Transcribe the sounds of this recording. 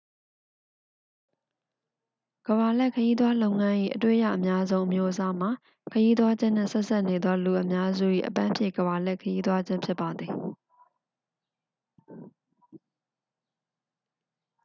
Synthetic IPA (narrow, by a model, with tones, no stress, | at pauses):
ɡ̥əba˨lɛ˦˨kʰəji˦d̪wa˦lõ˦ʊ̃ŋã˦ʔḭ˦˨ʔətwḛ˦˨ja̰˦˨ʔəmja˦zõ˦ʊ̃ʔə˨mjo˦ʔəsa˦m̥a˨ | kʰəji˦t̪wa˦d͡ʑɪ̃˦n̥ɪ̰̃˦˨sɛ˦ʔsa˦ʔne˨d̪ðɔ˦lu˨ʔəmja˦zṵ˦˨ʔḭ˦˨ʔəpã˦mpʰjɪ̰̃˦˨ɡəba˨lɛ˦˨kʰəji˦t̪wa˦d͡ʑɪ̃˦mpʰjɪ˦pːa˨d̪ði˨